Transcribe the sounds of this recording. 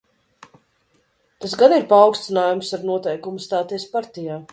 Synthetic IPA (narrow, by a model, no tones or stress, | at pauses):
t̪asɡaniɾpaːwkst̪inaːjumsaɾnuɔt̪ɛjkumust̪aːt̪ɛjspaɾt̪ijaː